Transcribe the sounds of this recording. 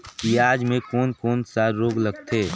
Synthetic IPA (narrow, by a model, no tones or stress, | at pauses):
kiaːd͡ʒmẽkoːnkoːnsaɾoːɡlɐɡt̪ʰeː